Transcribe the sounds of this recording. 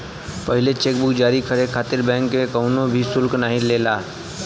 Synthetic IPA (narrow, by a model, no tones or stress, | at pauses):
pɐɦɪlet͡ʃeːkbʊkd͡ʒaːɾikʰəɾekʰaːt̪ɪɾbɛ̃ːŋkːekɐʊnõbʱisʊlknaːɦĩleːlaː